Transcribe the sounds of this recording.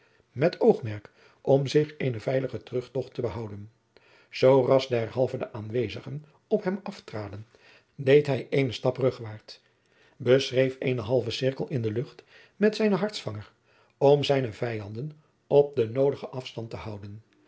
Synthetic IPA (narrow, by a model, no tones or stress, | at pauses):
mɛtʰowχmɛɹk | ʔɔmzɪχejnəvɛjləχətərɵχtɔχtəbəɦɑwdən | z̥owrɑzdɛɹhɑlˠvədəʔaːnʋejzəχən | ɔpɦɛmɑftraːdən | dejtɦɛjejnəstɑprɵχʋaːɹt | bəsrejfejnəɦɑlˠvəsɪɹkəlˠɪndəlɵχt | mɛtsɛjnəɦɑɹtsfɑŋəɹ | ɔmzɛjnəvɛjɑndən | ɔp̚dənowdəχəʔɑfstɑntəhɑwdən